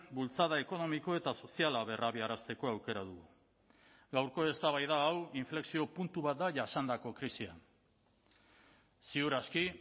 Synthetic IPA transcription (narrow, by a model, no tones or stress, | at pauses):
bult͡saðae̞ko̞no̞miko̞e̞t̪aso̞sialaβe̞rʔaβiaɾast̪e̞ko̞awke̞ɾað̞uɣu | ɡawɾko̞e̞st̪aβajð̞aːwiɱfle̞ksio̞punt̪uβat̪̚d̪aʝasand̪ako̞kɾisia̰n | siuɾaski